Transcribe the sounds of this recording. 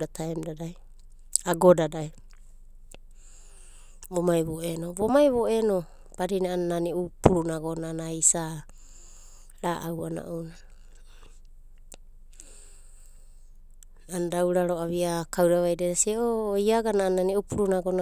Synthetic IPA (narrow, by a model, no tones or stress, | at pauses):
ɾatʰaemdadaj | aɡodadaj | bomajβoʔenoβomajβo̞ʔeno̞ | b̥aɾinaanːaniupuɾunaɡonanaisa | ɾaʔawana̰ʔona | anadawɾaɾoaβiakawɾaβajdeɾasiʔoiaɡananːaniupuɾunaɡona